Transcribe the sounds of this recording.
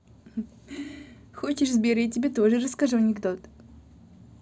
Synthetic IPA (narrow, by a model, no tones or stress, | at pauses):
xot͡ɕɪʂzbʲeɾʲɨt̚ʲtʲːɪbʲet̪oʐɨrəskɐʐɨwnʲɪɡd̪ot̪